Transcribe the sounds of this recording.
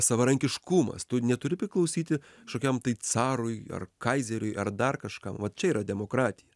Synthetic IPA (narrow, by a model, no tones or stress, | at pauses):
sɐʋɐɾɐŋʲkʲɪʃkumɐ̰st̪ʊnʲɛt̪ʊɾʲɪpʲɾʲɪklˠɐʊsʲiːt̪ʲɪ | ʃoːkʲɛmt̪ɐɪt͡s̪ɑːɾʊjɐ̰rkɐɪzʲɛɾʲʊɪʔɐrd̪ɐrkɐʃkɐmʋɐt̪t͡ʃʲɛiːɾɐd̪ʲɛmoːkɾɑːt̪ʲɪjɛ